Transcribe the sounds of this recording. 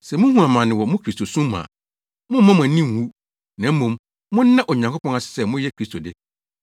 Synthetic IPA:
sɛ˨mʊ̃˦hũ˦a˨mã˨nɪ̃˨wɔ˨mʊ̃˦kʰɾi˦sto˨sũ˦mː˦ã̰˨ | mʊ̃˦m̩˦mã˦m˨ã˨˦nĩ˦ŋ˨wu˦ | nã˨˦m̩˦mũ˨m | mʊ̃˦n̩ː˦ã˦ʔo˨ɲã˨ŋkʰo˦pʰɔ̃˦na˨sɪ̥˨sɛ˦˨mʊ̃˦jɛ˦kʰɾi˦stʰo˨dɪ˦

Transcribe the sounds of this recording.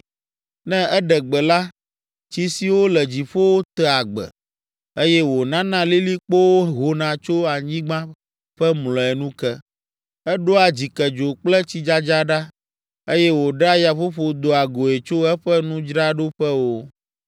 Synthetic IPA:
nɛ̃˦ɛ˦ɖɛ˨ɡ͡bɛ˨la˦ | t͡ɕi˦si˨wo˦lɛ˨d͡ʑi˨ɸo˦wo˦t̪ɛ˨a˨ɡ͡bɛ̰˨ | e˦jɛ˦wo˨nã˦nã˦li˦li˦k͡po˦wo˦ɦo˨nã˨t͡ʃo˦a˨ɲĩ˦ɡ͡bã˦ | ɸɛ˦mlɔ̃˨ɛ˨nũ˦kɛ˦ | ɛ˦ɖo˦a˨d͡ʑi˨kɛ˨d͡ʒo˨k͡plɛ˦t͡ɕi˦d͡ʒa˦d͡ʒa˦ɖa˦ | e˦jɛ˦wo˨ɖa˦ja˨ɸo˦ɸo˨d̪o˨a˨ɡo˨e˨t͡ʃo˦ɛ˦ɸɛ˦nũ˦d͡ʒɾa˦ɖo˦ɸɛ˦wo˦

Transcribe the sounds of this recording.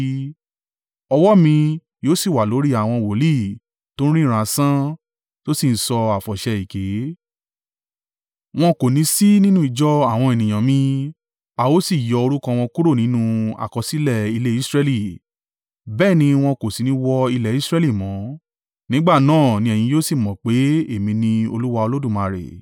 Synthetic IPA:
ɔ˧wɔ˦mĩ˧ | joː˦si˦˨wa˨lo˨˦ɾi˦a˨w̃ɔ̃˧wo˨˦li˦˨ | tõ˦ɾ̃ĩ˦˨ɾ̃ã˨˧˦sã˦ | to˦si˦˨n̩˨˦sɔ˧a˨fɔ˨ʃɛ˧i˨ke˨˦ | w̃ɔ̃˧ko˨nĩ˨˦si˦nĩ˦nũ˦i˦˧˨d͡ʒɔ˦a˦˨w̃ɔ̃˧e˨nĩ˨j̃ã˨mĩ˧ | a˨wo˦si˦˨jɔ˨˧o˧ɾu˦kã˧w̃ɔ̃˧ku˦ɾo˦˨nĩ˨˦nũ˧a̰˨kɔ˧si˦lɛ˦˨i˧le˦i˦sɾɛ˦li˦˨ | bɛː˦˨nĩ˧w̃ɔ̃˧ko˨si˨nĩ˦wɔ˧i˧lɛ˨i˦sɾɛ˦li˦˨mɔ̃˨˦ | nĩ˨˦ɡ͡ba˦˨nãː˦˨nĩ˧ɛ˨jĩ˧˦joː˦si˦˨mɔ̃˨k͡pe˨˦e˦˨mĩ˧nĩ˧o˧lu˦wa˧o˧lo˦dũ˦˨mã˨˧˨ɾḛ˨

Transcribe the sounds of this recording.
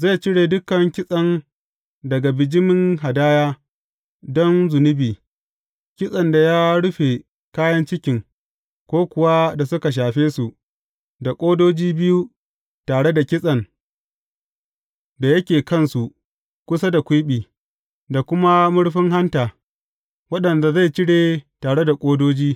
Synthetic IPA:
za˦˨t͡ʃɪ˦ɽeː˨dʊ˦kɐ˨ŋkʲɪ˦sʼɐ˦n | dɐ˨ɡa˨bɪ˨d͡ʒɪ˦mɪ˦ŋɦa˨daː˦jaː˦ | dɔ˦nzʊ˨nɪ˦biː˨ | kʲɪ˦sʼɐ˨nda˨jaː˦ɽʊ˦ɸe˨ | kaː˦jɐ˦nt͡ʃɪ˦kʲɪ˨ŋ | kʷoː˦kʷʊ˨wa˦da˨sʊ˦ka˨ʃ̬aː˨ɸeː˦su˨ʔ | da˨kʷʼoː˦doː˦d͡ʒiː˦bɪ˦ju˦ | taː˨ɽe˦da˨kʲɪ˦sʼɐ˨n | da˨jɐ˦kʲeː˨kɐ˦˨nsu˨ | kʷʊ˦sa˦da˨kʷʊ˦ɓiː˨ | da˨kʷʊ˦ma˦mʊ˦ɽɸɪ˦ŋɦa˦ntaː˨ | wɐ˦ɗɐ˨nda˨za˦˨jt͡ʃɪ˦ɽeː˨taː˨ɽe˦da˨kʷʼoː˦doː˦d͡ʒiː˦

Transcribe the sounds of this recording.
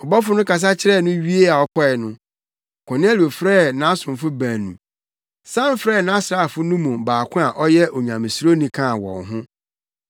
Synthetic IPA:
ɔ˨bɔ˦fʊ˦nʊ̃˦ka˨s̬a˦t͡ɕʰɪ˦ɾɛ˦˨nʊ̃˦ɥi˦e˦a˨ɔ˦kʰɔ˦ɛ˨nʊ̃˦ | kʰɔ̃˨ñɛ˦li˨o˨fɾɛ˦˨nã˦sʊ̃˨m˨fʊ˦ba˨nũ˨ | sã˦n˦fɾɛː˦˨nã˦sɾaː˦˨fʊ˦nũ˦mɔ̃˨baː˨kʰʊ̃˦a˨ʔɔ˦jɛ˦ʔɔ˨ɲã˨mɪ̃˨sɾo˦nĩ˨kʰã˦˨wɔ̰̃˨nɦʊ̃˦

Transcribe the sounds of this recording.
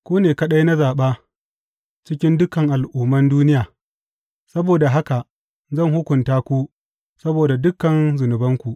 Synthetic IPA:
kʷuː˦neː˨kɐ˦ɗɐ˦jna˦zaː˨ɓaː˦ | t͡ʃɪ˦kʲɪ˦ndʊ˦kɐ˨ŋʔa˨lʔuː˦mːɐ˦nduː˦nɪ˦jaː˨ | sɐ˦boː˨da˨ɦa˦ka˨ | zɐ˦˨ŋhʊ˦kʷʊ˨ntaː˦kʷuː˦ | sɐ˦boː˨da˨dʊ˦kːɐ˨nzʊ˨nʊ˨bɐ˦ŋkʷu˨ʔ

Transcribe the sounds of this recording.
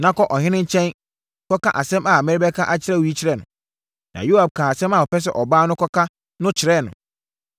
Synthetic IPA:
nã˦kɔ˦ʔɔ˨ɦɪ̃˦nɪ̃˦ɲ˦t͡ɕʰɛ̃˦n | kʰɔ˦kã˦ʔa˨sɛ̃˦ma˨mɪ̃˦ɾɪ˦bɛ˦kʰã˦ʔa˨t͡ɕʰɪ˦ɾɛ˦wi˦t͡ɕʰɪ˦ɾɛ˦˨nʊ̰̃˨ | nã̰˨ju˦a˨b̚kʰã˨a˨sɛ̃˦ma˨ɔ˨pʰɛ˦s̬ɛ̰˨ʔɔ˨baː˦nʊ̃˦kʰɔ˦kʰa˦ | nʊ̃˦t͡ɕʰɪ˨ɾɛ˦˨nʊ̰̃˨

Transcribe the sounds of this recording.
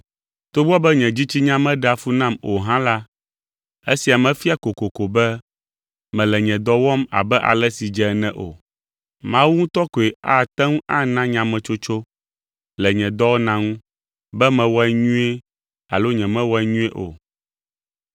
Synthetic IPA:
t̪o˦bɔ˦bɛ˦ɲɛ̃˨d͡ʑi˦t͡ɕi˦ɲã˦mɛ̃˦ɖa˨fu˦nã˦˨mo˨ɦã˦la˦ | e˦si˨a˨mɛ̃˨fi˦a˨ko˨ko˨ko˨bɛ˦ | mɛ̃˨lɛ˨ɲɛ̃˨d̪ɔ˦wɔ˦ma̰˨bɛ˦ʔa̰˨lɛ˦si˨d͡ʒɛ˨˦nɛ̃˦ʔo̰˨ | mã˦wu˦ŋũ˦t̪ɔ˦ko˨e˨a˨t̪ɛ˦ŋũ˦ʔa˦nã˦ɲã˨mɛ̃˨t͡ʃo˦t͡ʃo˦ | lɛ˨ɲɛ̃˨d̪ɔ˦wo˦nã˦ŋũ˦ | bɛ˦mɛ̃˨wɔ˦ɛ˦ɲũ˦e˦ | a̰˨lo˦ɲɛ̃˨mɛ̃˦wɔ˦ɛ˦ɲũ˦e˦ʔo̰˨

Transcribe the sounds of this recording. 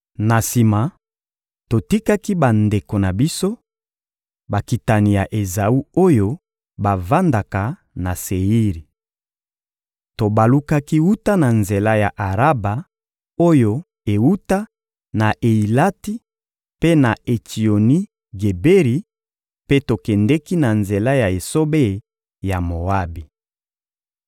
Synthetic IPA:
na˨si˨ma˨ | to˨ti˦ka˦ki˦ba˨nde˨ko˨na˨bi˦so˦ | ba˨ki˨ta˨ni˨ja˨ʔe˨za˨u˦o˦jo˦ | ba˨va˦nda˨ka˨ | na˨se˨i˦ʁi˨ | to˨ba˨lu˦ka˦ki˦wu˦ta˦na˨nze˨la˦ja˨ʔa˨ʁa˦ba˨ | o˦jo˦ | e˨wu˦ta˦ | na˨ʔe˨i˨la˦ti˦ | pe˦na˨e˨ti˨o˨ni˦ | ɡe˨be˦ʁi˨ | pe˦to˨kɛ˨ndɛ˦ki˦na˨nze˨la˦ja˨e˨so˦be˦˨ | ja˨mo˨a˦bi˨

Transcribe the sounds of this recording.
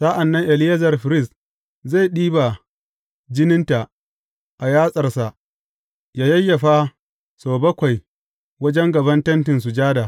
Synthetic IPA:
sa˦ʔa˨nːɐ˦ŋʔɛ˨lɪ˦ja˦zɐ˨rɸɪ˨ɾɪ˦˨s | za˦˨jɗiː˦ba˨ | d͡ʒɪ˦nɪ˦nta˨ʔ | ʔa˨jaː˦sʼɐ˨rsa˨ʔ | jaː˦jɐ˦jːɐ˨ɸa˦ | soː˨bɐ˦kʷa˨j | wɐ˦d͡ʒɛ˦ŋɡɐ˨bɐ˦ntɐ˦ntɪ˨ns̬u˨d͡ʒaː˦daː˨

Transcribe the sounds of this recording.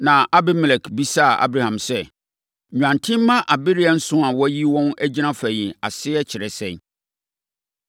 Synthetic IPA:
nã˨a˦bɪ˦mɪ˨lɛ˨kʰbi˦sa˦˨a̰˦bɾa˨hã˨msɛ˦˨ | ã˨ntʰɪ̃˦m̩ː˦ã˦ʔa˨bɪ˦ɾɪ˦ɛ˨n̩˦sʊ̃˦a˨wɔ˦ji˦wɔ̃˦næ˦d͡ʑi˦nã˦fæ˨jɪ̃˨a˨sɪ˦ɛ˦t͡ɕʰɪ˨ɾɛ˨sɛ̃˦˨

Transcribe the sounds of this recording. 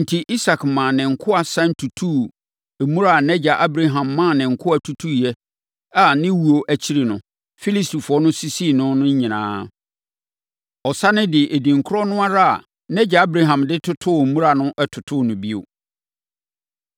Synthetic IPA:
n̩˨tʰi˨ʔi˦sa˨kmã˨nɪ̃˨ŋ̩˨kʰʊ˦a˨sã˦n˦tʰu˨tʰu˦˨ | mũ˦ɾa˦˨nɛ˦d͡ʑa˨ʔa˦bɾa˨ɦã˨mːã˦˨nɪ̃˨ŋ̩˨kʰʊ˦a˨tʰu˨tʰu˦jɛ˦ | a˨nɪ̃˦wu˨o˨ʔæ˨t͡ɕʰi˦ɾi˨nʊ̃˨ | fi˦li˦sti˨fʊ˨ɔ˦nʊ̃˦si˦si˦˨nʊ̃˦nʊ̃˦ɲ˦ɲĩ˨nã̰ː˨˦ | ɔ˨sa˦nɪ̃˦dɪ˨ʔe˨dĩ˨ŋ˨kʰʊ˦ɾɔ˦nʊ̃˦a˦ɾa˦˨a̰˨ | nɛ˦d͡ʑa˨a˦bɾa˨ɦã˨mdɪ˦tʰʊ˦tʰʊ˦˨mũ˦ɾa˨nʊ̃˦ʔɛ˦tʰʊ˨tʰʊ˦˨nʊ̃˨bi˦o̰˨

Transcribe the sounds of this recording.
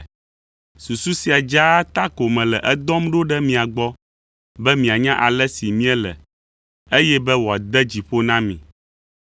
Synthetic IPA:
su˨su˦si˨a˨d͡ʒa˦t̪a˦ko˨mɛ̃˨lɛ˨ʔɛ˦d̪ɔ˦mɖo˦ɖɛ˦mĩ˨a˨ɡ͡bɔ˦ | bɛ˦mĩ˨a˨ɲã˦ʔa˨lɛ˦si˨mĩ˦ɛ˦lɛ̰˨ | e˦jɛ˦bɛ˦wɔ˨a˨d̪ɛ˦d͡ʑi˨ɸo˦nã˦mĩ˨

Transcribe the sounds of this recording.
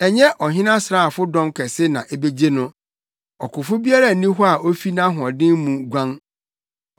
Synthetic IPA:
ɛ˨ɲɛ˦ʔɔ˨ɦɪ̃˦nã˦sɾa˦˨a˨fʊ˦dɔ̃˦mkʰɛ˨sɪ˦nã˨ʔe˦be˦d͡ʑe˦nʊ̃˦ | ɔ˨kʰʊ˨fʊ˦bi˦a˦ɾa˦˨nĩ˦ɦɔ˦a˨ʔo˦fi˦nã˦ɦʊ˨ɔ̃˨dɪ̃˦mmũ˨ɡʷã˦n

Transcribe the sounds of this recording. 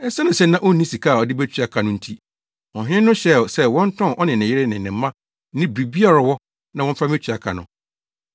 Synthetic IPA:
ɛ˦sa˦nɪ̃˨sɛ˦nã˦ʔo˦nːĩ˦si˨kʰa˦˨ɔ˨dɪ˦bæ˦t͡ɕʰᶣɥa˦kʰa˨nʊ̃˦n̩˦tʰi˦ | ɔ˨ɦɪ̃˦nʊ̃˦ɕɛ˦˨sɛ˦wɔ̃˦n̩˦tʰɔ̃˦˨ʔɔ˦nɪ̃˨nɪ̃˨jɪ˦ɾɪ˦nɪ̃˨nɪ̃˨m̩˦mã˦ | nɪ̃˦bi˨bi˦a˦ɾa˨wɔ˦ | nã˦wɔ̃˦m̩˦fa˦mɛ˦t͡ɕʰᶣa˨kʰa˨nʊ̰̃˨

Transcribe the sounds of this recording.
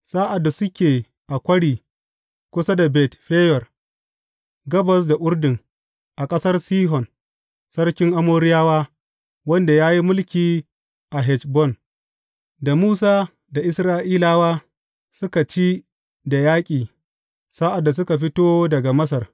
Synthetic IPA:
saː˦ʔa˨dːa˨sʊ˦kʲeː˨ | ʔa˨kʷɐ˦ɽiː˨ | kʷʊ˦sa˦da˨bɛ˨tɸeː˦jɔ˨r | ɡɐ˦bɐ˨s̬da˨ʔʷʊ˦ɽdɪ˨ŋ | ʔa˨kʼɐ˦sɐ˦rsiː˦ɦɔ˨n | sɐ˦ɽkʲɪ˦ŋʔa˦moː˦ɾɪ˦jaː˦waː˦ | wɐ˦nda˨jaː˦ji˦mʊ˦lkʲiː˨ | ʔa˨ɦɛ˨t͡ʃbɔ˦˨n | da˨muː˦saː˦ | da˨ʔɪ˦sɾaː˦ʔiː˦laː˦waː˦ | sʊ˦ka˨t͡ʃiː˦ | da˨jaː˦kʲʼiː˨ | saː˦ʔa˨dːa˨s̬ʊ˦ka˨ɸɪ˦toː˦dɐ˨ɡa˨mɐ˦sɐ˨r

